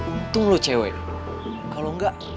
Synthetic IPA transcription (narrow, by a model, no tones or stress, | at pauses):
t̪uŋlot͡ʃawḛ | kaloŋɡaʔ